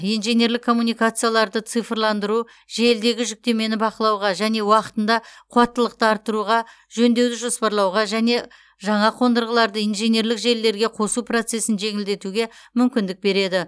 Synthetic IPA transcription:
ijnʒene̞ɾlɪkʰːo̞mːunijkat̪sɨjalˠɑɾd̪ət̪sɨjfrlˠɑnd̪əɾu | ʒe̞ld̪e̞ɡʲɪʒʏk̚t̪e̞me̞nɪbɑqəlˠɑwʁɑʒæne̞wɑqə̥t̪ənd̪ɑqʰuɑt̪ːəlˠəqt̪əɑɾt̪ːəɾuʁɑ | ʒɵnd̪e̞wd̪ɪʒo̞spɑɾlˠɑwʁɑʒæne̞ | ʒɑɴɑqʰo̞nd̪əɾʁəlˠɑɾd̪əijnʒene̞ɾlɪkʒe̞lːe̞ɾɡʲe̞qʰo̞suprot̪se̞sɪnʒe̞ŋɪld̪e̞t̪uɡʲe̞mʏmkʲɪnd̪ɪk̚be̞ɾe̞d̪ɪ

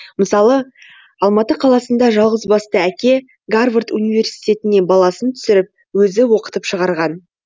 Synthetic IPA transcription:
məsɑlˠə | ɑlˠmɑt̪əqʰɑlˠɑsənd̪ɑʒɑlˠʁəzbɑst̪əækʲe̞ | ɡarvrt̪unijve̞rsijt̪e̞t̪ɪnebɑlˠɑsənt̪ʰʏ̥sɪɾɪp̚ | wɵzɪwo̞qə̥t̪əpʃəʁɑɾʁɑn

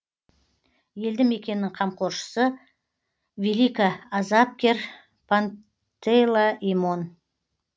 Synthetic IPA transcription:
je̞ld̪ɪme̞kʲe̞nɪːɪŋqʰɑmqʰo̞ɾʃə̥sə | vilikaːzap̚kʲe̞ɾ | pʰan | t̪ejlˠaʔimo̞n

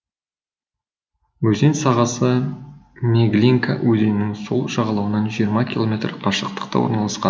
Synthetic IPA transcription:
wɵzensɑʁɑsə | mʲeɡlʲiŋkawɵze̞nnːɪŋso̞̰lˠʒɑʁɑlˠɑwənɑnʒijəɾmɑkʲʰilˠo̞mʲe̞t̪rqʰɑʃəq̚t̪ə̥q̚t̪ɑ̰wo̰ɾnɑlˠɑsqɑn

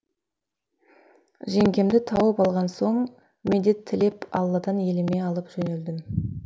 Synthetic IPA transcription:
ʒe̞ŋkʲe̞md̪ɪt̪ʰɑwəpɑlˠʁɑnso̞ɴ | med̪e̞t̪ʰːɪle̞pɑ̰lˠːɑd̪ɑnje̞lɪme̞ɑlˠəpʒ̥ɵne̞ld̪ɪm

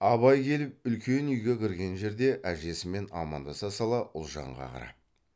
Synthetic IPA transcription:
ɑβɑjkʲʰe̞lɪp̚ʏlkʲe̞nʏjɡʲekʲʰɪɾɡʲe̞nʒe̞ɾd̪e̞ʔæʒe̞sɪme̞nɑ̰mɑ̰nd̪ɑsɑsɑlˠɑʔʊlˠʒɑ̰ɴʁɑ̰qʰɑ̰ɾɑ̰p̚

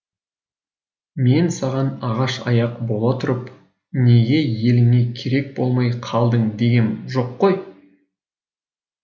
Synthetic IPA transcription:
me̞nsɑʁɑnɑʁɑʃɑ̰jɑqbo̞lˠɑt̪ʰʊɾəp | ne̞ɡʲe̞je̞lɪŋe̞kʲʰe̞ɾe̞k̚bo̞lˠmɑjqʰɑlˠd̪əɴd̪e̞ɡʲe̞nʒo̞qːoj

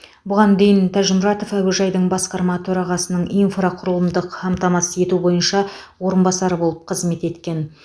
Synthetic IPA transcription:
bʊʁɑnd̪e̞jɪnt̪ʰæʒɪmɾɑt̪o̞fæwɪʒɑjd̪əɴbɑsqɑɾmɑt̪ʰɵɾɑʁɑsənəɴinfraqʰʊɾəlˠəmd̪əqɑmt̪ɑmɑsəe̞t̪ubo̞jənʃɑwo̞ɾənbɑsɑɾəbo̞lˠəp̚qʰəzme̞t̪e̞t̪kʲe̞n

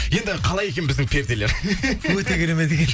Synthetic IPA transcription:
je̞nd̪ɪqʰɑlˠɑje̞kʲe̞nbɪzd̪ɪŋpʰeɾt̪eleɾwɵt̪eɡʲeɾemed̪eɡʲen

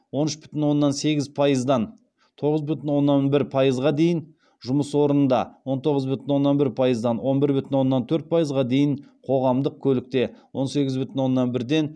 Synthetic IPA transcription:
wo̞nʏʃbʏ̥t̪ɪnwo̞nːɑnse̞ɡʲɪzpʰɑjəzd̪ɑn | t̪ʰo̞ʁəzbʏt̪ɪnwo̞nːɑnbɪɾpʰɑjəzʁɑd̪e̞jɪn | ʒʊməswo̞ɾənnd̪ɑwo̞nt̪ʰo̞ʁəzbʏt̪ɪnwo̞nːɑnbɪɾpʰɑjəzd̪ɑnwo̞nbɪɾbʏt̪ɪnwo̞nːɑnt̪ʰɵɾt̪̚pʰɑjəzʁɑd̪e̞jɪɴqʰo̞ʁɑmd̪əq̚kʲʰɵlɪk̚t̪e̞wo̞nse̞ɡʲɪzbʏt̪ɪnwo̞nːɑnbɪɾd̪e̞n

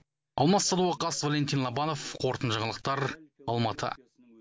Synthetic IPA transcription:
ɑ̰lˠmɑt̪sɑd̪uɑqɑsvalʲent̪ʲinlˠɑbɑno̞fqʰo̞ɾt̪ənʒəʁəlˠəq̚t̪ɑɾɑlˠmɑt̪ʰə̰

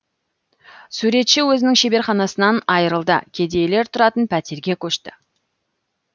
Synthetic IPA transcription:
suɾe̞t̪ʃɪwɵzɪnɪŋʃe̞be̞ɾχɑnɑsənɑnɑjəɾəlˠd̪ə̰kʲʰed̪e̞jele̞ɾt̪ʰʊɾɑt̪ənpʰæt̪e̞ɾɡʲe̞kʲʰɵʃt̪ɪ

